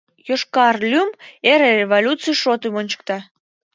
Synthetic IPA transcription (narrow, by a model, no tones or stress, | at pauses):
joʃkɑrlʲymeɾerevolʲutt͡sɨjʃot̪ɨmonʲt͡ɕə̥kt̪ɑ